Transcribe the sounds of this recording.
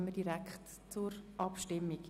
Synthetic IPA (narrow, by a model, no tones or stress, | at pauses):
mədiɾækχt | t͡sʊɾʔɑpʃtɪmːik